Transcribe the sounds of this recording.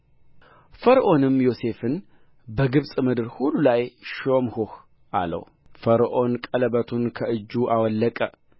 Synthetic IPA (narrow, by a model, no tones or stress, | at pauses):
fəɾʔo̞nɨmjo̞se̞fɨn | bəɡɨβsʼmɨd̪ɨɾhulːulajʃomhuh | ʔa̰lə̰w | fəɾʔo̞nkʼələbət̪ʰunkʰəɨd͡ʒːuʔawɔlːəkʼə